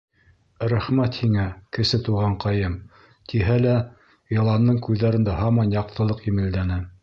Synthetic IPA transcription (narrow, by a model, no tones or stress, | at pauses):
ɾæχmæt̪hiŋækɘ̆sɘt̪uʁɑɴqɑjɤm | t̪iɦælæ | jɑ̆lˠɑnd̪ɤɴkʉðːæɾɘ̆nd̪æɦɑmɑnjɑq̚t̪ʰɤ̆lˠɤqjɘ̆mɘ̆ld̪ænɘ